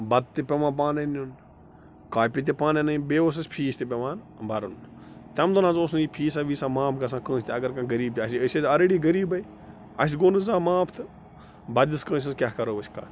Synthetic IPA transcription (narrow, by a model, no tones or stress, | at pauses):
bɐd̪̚t̪ipʲɐmʋãːp̬aːnɐnun | kaːpʲit̪̬ʲepaːnɐnɐĩbeːoːs̬ɐsʲpʰiːsʲt̪ʲip̬ʲɐʋaːn | bɐɾunt̪ʲɐmd̪ɐnãnzoːsnipʰiːs̬aːʋiːsaːmãːpʰɡɐs̬ãːkə̃ːsʲt̪ʲɐɡɐɾkãːɡɐɾiːb̚t̪ʲiɐsʲiəsezɐɾeːɖiːɡɐɾiːbɐi | ɐs̬ʲɡoːnɨzaːmãːpʰt̪ʰɨ | bɐd̪ʲiskə̃ːs̬ʲɐzkʲaːkɐɾoːʋəʃʰʲka̰ːn